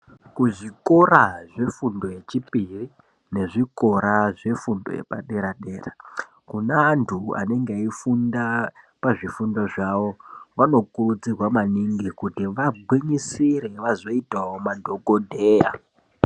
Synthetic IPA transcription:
kuʐiko̞ɾaʐe̞fundo̞je̞t͡ʃipiri | ne̞ʐiko̞ɾaʐe̞fundojḛpa̰ɗe̞ɾaɗe̞ːra | kunaːntʰua̰ne̞ŋɡeaifunda | paʐifundo̞ʐaʋo̞ʋano̞kurud͡zirwamaniŋɡikutiʋaɡ͡bwiɲisiɾe̞ʋazo̞itawomadʱo̞kodʱeːja̰

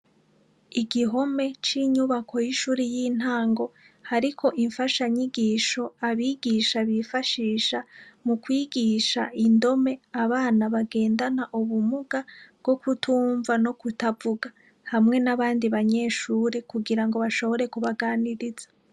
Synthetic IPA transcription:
iɡiɦo̞me̞t͡ʃiɲuβakʰo̞jiʃuːɾijiːn̥haːŋɡo̞ | haɾikʰo̞ʔiɱfaʃaɲiɡiːʃo̞aβiːɡiʃaβifaʃiːʃamukwiːɡiʃaʔindo̞me̞aβaːnaβaɡe̞ːndanaʔuβumuɡaβɡ̥o̞kutʰuːɱvano̞kutavuɡa | hamŋe̞naβaːndiβaɲe̞ːʃuːɾe̞kuɡiɾaŋɡo̞βaʃo̞βo̞ɾe̞kuβaɡaːniɾiz̥ḁ

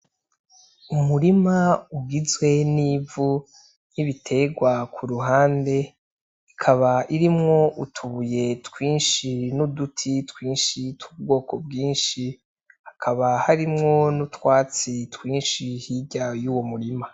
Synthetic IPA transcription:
umuɾimauɡizwe̞niːvu | niβitʰe̞ɡwakʰuɾuɦaːnde̞ | ikʰaβaʔiɾimŋo̞ʔutʰuβuje̞tkwiːnʃinudutʰitkwiːnʃitub̚ɡo̞ːko̞b̚ɡiːnʃi | hakʰaβahaɾimŋo̞nutwaːt͡sitwiːnʃihiɟajuːwomuɾima

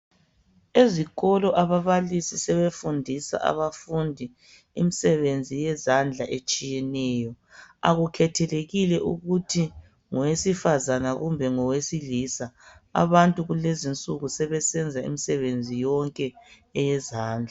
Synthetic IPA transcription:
eziɣɔlɔʔaβaβalisisɛβefundʱisa̰ʔa̰βafundʱi | imisɛβend͡zʱijɛzand͡ɮʱaʔet͡ʃʼijɛnɛjɔ | a̰ɣukʰɛtʰɛleɣilɛʔṵɣutʰi | ŋɔwesifazanaɣumbʱɛŋɔwesilisaa̰βantʼuɣulezint͡sʼuɣusɛβɛsɛnd͡zʱaḭmisɛβend͡zʱijɔŋkʼɛ | ɛjɛzaːnd͡ɮʱa

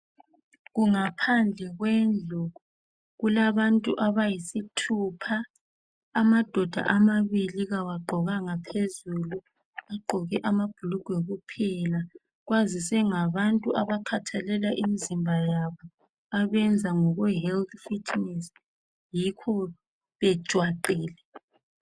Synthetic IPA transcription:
ɣuŋapʰand͡ɮʱɛɣwɛnd͡ɮʱɔɣɔ | ɣulaβantʼuʔaβajisitʰupʰa | ɣːmad̥ʱɔd̥ʱa̰ʔamaβiliɣawaɡ͡ǃʱɔɣaŋapʰezulu | aɡ͡ǃʱɔɣɛʔamab̥ʱuluɡ̥ʱwɛɣupʰɛla | ɣwazisɛŋaβantʼuʔaβakʰatʰalɛlaʔimizimbʱajaβɔ | aβɛnd͡zʱaŋɔɣwɛɦɛlt̪fitʰnɛs | jikʰɔ | βɛ̥ʒ̥ʱwaǃɛːlɛ

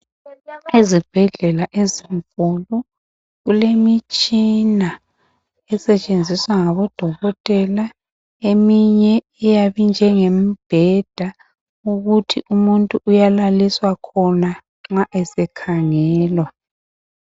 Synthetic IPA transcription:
izib̥ʱɛɮɛlaʔeziɱkʼulu | ɣulemit͡ʃʼina | ɛsɛt͡ʃʼend͡zʱiswaŋaβɔd̥ʱɔɣɔtʼɛla | emiɲɛ | ɛjaβind͡ʒʱɛŋemib̥ʱɛd̥ʱa | uɣutʰiʔumuntʼuʔːjalaliswakʰɔna | ŋ͡ǁaʔɛsɛkʰaŋɛːlwa

